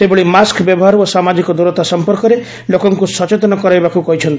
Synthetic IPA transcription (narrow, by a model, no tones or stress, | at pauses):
sebeɭimaskbjɔbɔɦaɾosamad͡ʒikɔd̪uɾɔt̪asɔmpɔɾkɔɾe | lokɔŋkusɔt͡ʃet̪ɔnɔkɔɾajbakukɔɦit͡ʃʰɔnt̪